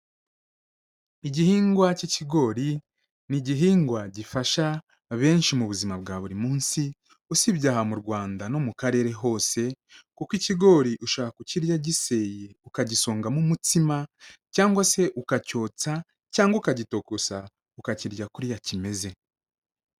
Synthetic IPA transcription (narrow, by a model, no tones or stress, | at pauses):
iɟihiːŋɡwaciciɡo̞ɾi | niɟiɦiːŋɡwaɟifaʃa | βe̞ːnʃimuβuzimabɡaːβuɾimuːnsi | usibɟaːɦamuɾɡwaːndano̞mukaɾe̞ːɾe̞ɦo̞ːse̞ | kukwiciɡo̞ːɾiʔuʃaːkakuciɾjaɟise̞je̞ukaɟisoːŋɡamumutimacaːŋɡwase̞ʔukaco̞ːt͡sa | caːŋɡwakaɟito̞kosa | ukaciɾɟakuɾjacime̞ze̞